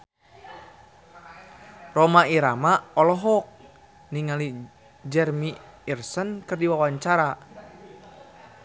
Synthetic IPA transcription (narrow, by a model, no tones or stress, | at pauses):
romaiɾamaɔlɔɦɔk̚ | niŋali | d͡ʒɛrmiirsənkɨrdiwawaɲt͡ʃaɾa